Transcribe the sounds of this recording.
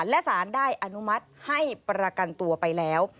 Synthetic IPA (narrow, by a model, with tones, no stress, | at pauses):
nlɛ˦˥ʔsaː˩˦ndaː˥˩jʔa˧nu˦˥ma˦˥t̪̚ha˥˩jpɾa˧ka˧nt̪u˧ɐpa˧jlɛː˦˥w